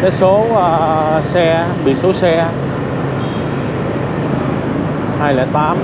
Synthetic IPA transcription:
kaː˨˦jso˨˦əː˧sɛ˧ | ɓḭ˧˨so˨˦sɛ˧ | haː˧jlɛ˧˩t̪aː˨˦m

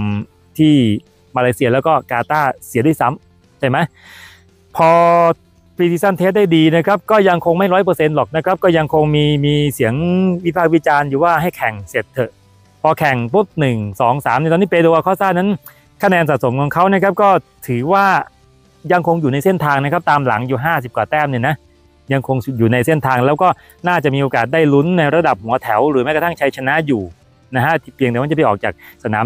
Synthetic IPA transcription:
t̪ʰiː˥˩ | maː˧laː˧jsi˧ɐlɛː˦˥wkɔː˥˩kaː˧t̪aː˥˩si˨˦du˥˩˨jsa˦˥m | t͡ɕʰa˥˩jma˦˥j | pʰɔː˧ | pɾi˧iː˧sa˥˩nt̪ʰeː˦˥t̪̚da˥˩jdiː˧na˦˥kʰa˦˥p̚kɔː˥˩ja˧ŋkʰo˧ŋma˥˩jɾɔ˦˥jp̬ɤː˧se˧nlɔː˨˩k̚na˦˥kʰɾa˦˥p̚kɔː˥˩ja˧ŋkʰo˧ŋmiː˧miː˧si˩˦əŋwi˦˥pʰaː˥˩k̚wi˦˥t͡ɕaː˧njuː˨˩waː˥˩ɦa˥˩jkʰɛ˨˩ŋse˨˩t̪ʰːɤ˨˩ʔ | pʰɔː˧kʰɛ˨˩ŋpʰuː˦˥˩t̪̚nɯ˨˩ŋsɔː˩˦ŋsaː˩˦mni˧˥˩t̪ɔː˧ni˥˩pe˧d̪u˧wa˧kʰɔː˥˩saː˥˩nːa˦˥n | kʰa˧nɛː˧nsa˨t̪̚so˩˦mkʰɔː˩˦ŋkʰa˦˥wna˥˩kʰa˦˥p̚kɔː˥˩t̪ʰɯː˨˩˦waː˥˩ | ja˧ŋkʰo˧ŋjuː˨˩na˧jse˥˩nt̪ʰaː˧ŋna˦˥kʰa˦˥p̚t̪aː˧mla̰˩˦ŋjuː˨˩ɦaː˥˩si˨˩p̚kwaː˨˩t̪ɛː˥˩mni˧˩na˦˥ | ja˧ŋkʰo˧ŋjuː˨˩na˧jse˥˩nt̪ʰaː˧ŋlɛː˦˥wkɔː˥˩ | naː˥˩t͡ɕa˨˩ʔmiː˧ʔoː˧kaː˨˩t̪̚daː˥˩jlu˦˥nːa˧jɾa˧da˨˩p̚hu˩˦ɐt̪ʰɛ˩˦wɾɯː˩˦a˦˥ka˧t̪ʰa˥˩ŋt͡ɕʰa˧jt͡ɕʰa˧na˦˥juː˨˩ | na˦˥kʰa˦˥t̪ʰi˥˩pli˧ŋnː˧˨˦pːa˥˩ʔɔː˨˩k̚t͡ɕaː˨˩k̚sa˧na̰ː˩˦

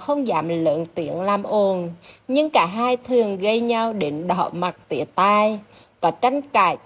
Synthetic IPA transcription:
xə˧wŋ͡mza̰ː˧˨˦mlə̰ː˧˨˥nt̪i˨˩˦ənlaː˨˩mʔo˨˩nɲɨ˧ŋkaː˧˩ɦaː˧jt̪ʰɨ˨˩əŋɣə˧jɲa˧wɗe˨˦nɗɔ̰˧˩˦ma˨˩t̚t̪ḭ˧˨˦ət̪aː˧˩jkɔ˨˦t͡ɕa˧jŋ̟kaː˨˩j

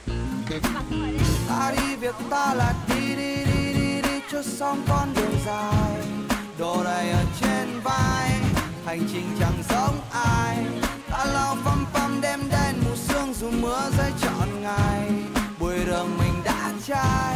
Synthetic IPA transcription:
t̪a̰ː˧˥ɗi˧vi˨˩ək̚t̪aː˧laː˨˩t̚ɗi˧ɗi˧ɗi˧ɗi˧ɗi˧t͡ɕɔ˧˥t̚sɔ˧wŋ͡mkɔ˧nɗɨ˨˩əŋzaː˨˩jɗo˨˩ɗə˨˩jʔəː˨˩t͡ɕe˧nvaː˧j | ha˨˩jŋ̟t͡ɕï˨˩ŋ̟t͡ɕa˨˩ŋzə˧˦wŋ͡mʔaː˧jɗa̰ː˧˥la˧˩wfa˧mfa˧mɗɛ˧mɗe˧nmu˨˩t̚sɨ˧əŋzu˨˩mɨ˨˦əzə˧jt͡ɕɔ̰˧˨nŋa˨˩jɓu˨˩əjɾəː˨˩ŋmï˨˩ŋ̟ɗa̰ː˧˥t͡ɕaː˧j

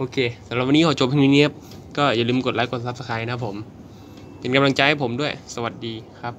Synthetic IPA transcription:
ʔoː˧kʰeː˧sa˩˦mla˨˩p̚wa˧nː˦˥kʰɔ˨˩˦t͡ɕo˨˩pʰniː˧˥ni˦˥ə˩p̚ | kɔː˥˩jaː˨˩lɯː˧mko˨˩t̪̚laː˦˥jko˨˩sa˨˦˩p̚sa˧kʰaː˧jna˦˥pʰːo˩˦m | pe˧nka˧mla˧ŋt͡ɕa˧jha˥˩pʰo˩˦mdu˥˩əjsa˧wa˨˩t̪̚diː˧kʰɾa˦˥p̚

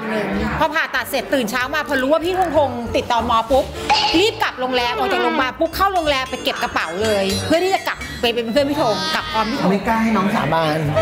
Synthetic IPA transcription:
a˧nnɯ˨˩ŋpʰɔ˧pʰaː˨˩nt̪a˨˩t̪̚se˨˩t̪ːɯː˨˩nt͡ɕʰaː˦˥wmaː˧pʰɔː˧ɾuː˦˥waː˥˩pʰiː˦˥˩t̪ʰo˧ŋt̪ʰo˧ŋt̪i˨˩t̪ːɔː˧nmɔː˧pu˦˥p̚liː˥˩p̚ka˨˩p̚lo˧ŋlɛː˧wʔɔː˧˩t͡ɕa˨˩lo˧ŋbaː˧npu˦˥kʰːaː˥˩wlo˧ŋlɛː˧wpa˧jke˨˩p̚ka˧pa˩˦wlɤː˧jpʰɯ˥˩ɾʰaː˥˩t͡ɕa˨˩ka˨˩p̚ːa˧jpe˧pʰɯ˥˩˨pʰiː˦˥t̪ʰoː˧ŋka˨˩p̚kʰɔː˧mt̪ʰi˥˩˧ma˥˩klaː˥˩jha˥˩jnɔː˦˥ŋsa̰ː˨˩˦baː˧n

